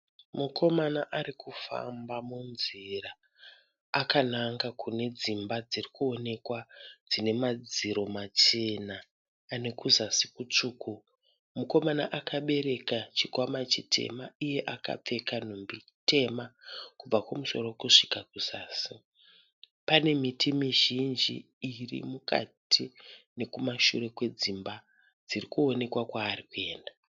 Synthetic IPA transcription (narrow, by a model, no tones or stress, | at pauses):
muko̞manaʔaɾikʰufa̰mbamunzira | akanaŋɡakune̞d͡zimbad͡zirikuo̞ne̞kwad͡zine̞mad͡ziɾo̞mat͡ʃe̞naː | ne̞kuzasikut͡ʂuːku | muko̞manaʔakaɓe̞ɾe̞kat͡ʃikwamat͡ʃitʰe̞̰maije̞ʔaka̰p͡fe̞kanombi | tʰe̞makub͡vakwamuso̞̰rokuʂikakuzaːsi | pane̞mitʰimiʒind͡ʒḭː | rḭmuka̰tʰine̞kumaʃure̞kwe̞d͡zimba | d͡zirikuo̞ne̞kwakwaːrikue̞ːnda